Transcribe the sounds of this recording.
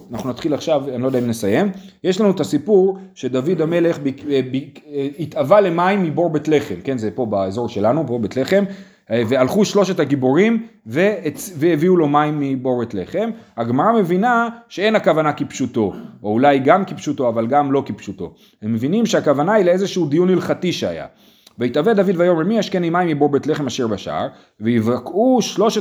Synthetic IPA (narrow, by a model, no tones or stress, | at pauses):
anaχnunat̪χilaχʃavanilod̪aimnesaje̞mjeʃlanuet̪asipuʁʃe̞d̪avid̪ame̞le̞χbibiit̪avale̞maimːibo̞ʁbet̪le̞χe̞mke̞nzepo̞baezo̞ʁʃe̞lanuboʁbet̪le̞χe̞m | vealχuʃlo̞ʃe̞thaɡiboʁimveveeviulo̞maimːibo̞ʁbet̪le̞̰χemhaɡmaʁame̞vinaʃe̞e̞nakavanakipʃuto̞ʔoulajɡamkipʃuto̞avalɡamlo̞kipʃuto̞̰ | hemːevinimʃeakavanaileezeʃuud̪ijunilχatiʃea̰ja̰ | veit̪aved̪avidvajo̞meʁmiaʃkenimaimibo̞ʁbetle̞χe̞maʃiʁbaʃaa̰ʁ | veivakuʃlo̞ʃe